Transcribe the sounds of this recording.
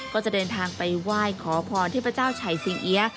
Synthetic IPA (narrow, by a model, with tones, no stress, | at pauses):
kɔː˥˩t͡ɕa˨˩dɤː˧nt̪ʰaː˧ŋpa˧jwaː˥˩jkʰɔː˩˦pʰɔː˧nt̪ʰiː˥˩pʰt͡ɕaː˥˩wt͡ɕʰa˨˩˦jsi˧ŋʔi˧˥ɐ